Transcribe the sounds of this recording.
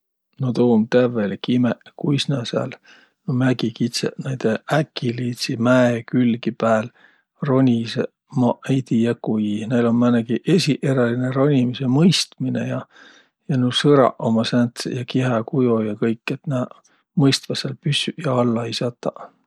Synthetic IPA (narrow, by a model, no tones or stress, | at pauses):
not̪oːmt̪ævelkimeʔkujsnæsæ̰l | nomæɡikit̪sḛnæjd̪̥eækːiliːt̪simæekylɡipæːl | ro̞nʲise | mɑʔejt̪ijɑkːujinejlo̞mmæneɡiʔe̞sʲiʔe̞ɾɑlinero̞nʲimisemɤjst̪minḛjɑ | jɑnusɤɾɑ̰ʔomɑsænt̪sjɑkiɦɑkujojɑkɤjkːˑet̪næː | mɤjst̪vɑselpysyjɑɑlːɑisɑt̪ːˑɑ